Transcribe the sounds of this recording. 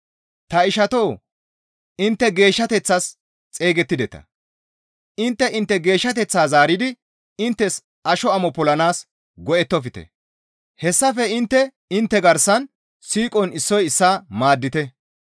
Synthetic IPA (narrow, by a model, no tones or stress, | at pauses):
t̪ɐɪʃɐt̪o̞ː | ɪnt̪ːɛɡe̞ːʃːɐt̪ɛt͡sːas | t͡sʼe̞ːɡɛt̪ːɪd̪ɛt̪ɐ̰ | ɪnt̪ːɛʔɪnt̪ːɛɡe̞ːʃːɐt̪̬ɛt͡sːaːzaːɾɪd̪ɪ | ɪnt̪ːɛs | ɐʃɔɐmɔpɔlɐnaːs | ɡɔʔɛt̪ːɔfɪt̪ɛ̰ | hɛsːɐfɛɪnt̪ːɛ | ɪnt̪ːɛɡɐɾsɐn | siːkʼɔnɪsːɔjɪsːaːmaːd̪ːɪt̪ɛ